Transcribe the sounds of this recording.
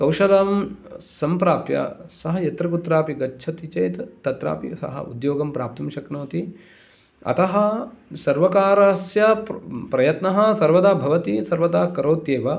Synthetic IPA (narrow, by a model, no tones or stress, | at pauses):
kɐwʃɐlɐmsɐmpɾaːpjɐ̰sɐɦɐjɐt̪ɾɐkut̪ɾaːpiɡɐːʃʰɐt̪it͡ʃɐjt̪t̪ːɐt̪ɾa̰ːpḭsɐ̰ɦɐ̰ṵd̪joːɡɐmpɾaːp̚t̪ɐmʃɐknoːt̪i | ɐ̰t̪ɐɦɐsɐɾʋɐkaːɾɐsjɐppɾɐjɐt̪nɐɦɐ̆sɐɾʋɐd̪aːbʱɐʋɐt̪isɐɾʋɐd̪aːkɐɾoːt̪jeːʋɐ